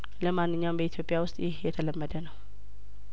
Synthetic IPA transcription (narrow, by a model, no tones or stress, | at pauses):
ləmanːɨɲːawmbəit̪ʰijopʼijawʊst̪ʼjɪhjɛt̪ʰələmːəd̪ənəw